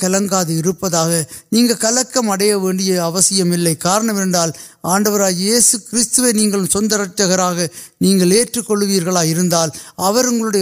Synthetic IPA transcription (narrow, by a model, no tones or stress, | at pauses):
kɐlɐŋɡaːðɯɪɾɯpːɐðaːɣɐniːŋɡɐɭkɐlɐkːɐmɐɽɐjɐʋeːɳɖɪjɐɐʋɐsɪjɐmɪlːɐɪkaːɾɐɳɐmɛnɖaːl | aːɳɖɐʋɐɾaːjeːsɯkɪɾɪst̪ɯʋeːniːŋɡɐɭɯmsɔnd̪ɐɾɐʈ̚t͡ʃːɐɣɐɾaːɣɐniːŋɡɐɭeːʈrɯkːɔɭːɯʋiːɾɣɐɭaːjɪɾɯnd̪aːlɐʋɐɾʊŋɡɐɭɯɽɐj